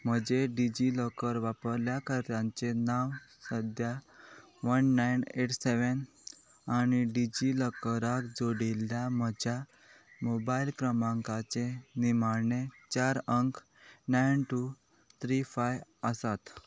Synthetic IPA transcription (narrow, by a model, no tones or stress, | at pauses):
m̤əd͡ʑeɖid͡ʑiləkəɾʋapəɾljakəɾtãɲt͡senawsəd̪ʱja | ʋənːajneʈseʋən | añiɖid͡ʑiləkəɾakd͡zoɽiljam̤əd͡ʑʱja | mobailkɾəmãŋkat͡senimaɾɳet͡ɕaɾəŋk | najnʈu | t̪ʰɾifajəsat̪